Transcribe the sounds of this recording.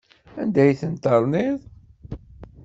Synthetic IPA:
ænd̪æjθənt̪əɾˤniðˤ

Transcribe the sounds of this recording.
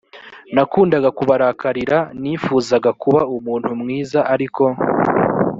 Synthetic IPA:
nakuːndaɡakuβaɾaːkaɾiɾaniːfuːzaɡakuβaumuːn̥humŋiːzaʔaɾikʰo̞

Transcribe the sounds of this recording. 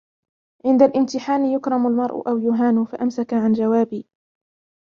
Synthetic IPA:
ʕɪnd̪alʔɪmt̪ɪħaːnɪjʊkɾˤɑmʊlmɑɾˤʔʊ̰ʔawjʊɦaːnʊfaʔamsakaʕand͡ʒawaːbiː

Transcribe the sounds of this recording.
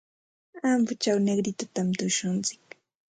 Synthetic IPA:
ampʊt͡ʃawnekɾɪt̪at̪amt̪ʊʃʊnt͡sɪ̥k

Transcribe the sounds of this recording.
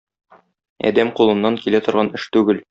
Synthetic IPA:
æ̰d̪æmqulˠɤ̆nːɑŋkilæt̪ŏɾʁɑnɘʃt̪ʉɡɘl

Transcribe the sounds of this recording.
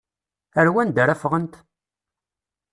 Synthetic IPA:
əɾwænd̪əɾæfʁənt̪

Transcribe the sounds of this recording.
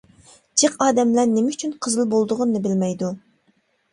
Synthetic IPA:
d͡ʒəqɑːd̪ɛmlæɾnemɪyt͡ʃʰynqʰəzɨlˠbolˠd̪ʊʁʊnːɨbɪlmɛjd̪u

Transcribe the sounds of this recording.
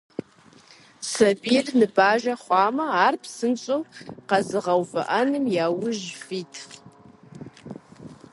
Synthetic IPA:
sɐbiːrnɨbaːʒɐχʷɑːmɐaːrpsɨnt͡ʃʼɐwqɐzɨʁɐwfɐ̰ʔɐnɨmjaːwʊʒfiːtʰ

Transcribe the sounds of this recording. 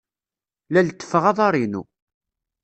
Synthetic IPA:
lælt̪ːə̥fəʁɑðˤɑɾˤinṵ

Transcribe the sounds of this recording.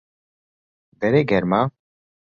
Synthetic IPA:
bɛɾeɡɛɾma

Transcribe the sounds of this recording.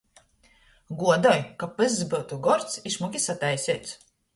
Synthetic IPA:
ɡuɔd̪ɔjkapɨzzbɨwt̪uɡɔɾt̪siʃmukʲisat̪ajsʲɛːt̪s

